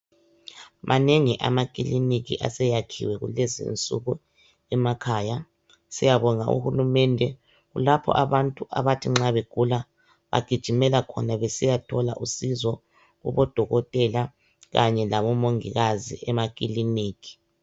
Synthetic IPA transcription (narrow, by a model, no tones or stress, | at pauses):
mʔanɛŋiʔa̰makʼilinik̬ʼḭʔa̰sɛjakʰḭwɛɣṵlɛzḭnt͡sʼṵɣu | ɛmakʰaːja | sijaβɔŋaṵhulumɛndʱɛ | ɣulapʰɔ̰ʔaβantʼuʔa̰βatʰiŋ͡ǁaβeɡ̥ʱula | βa̰ɡ̥ʱid̥ʒ̥ʱimɛlakʰɔ̰naβesijatʰɔla̰ʔusizɔ | ɣṵβɔd̥ʱɔɣɔtʼɛla | ɣaɲɛlaβɔmoŋḭɣazḭʔɛmakʼiliniːkʰi̥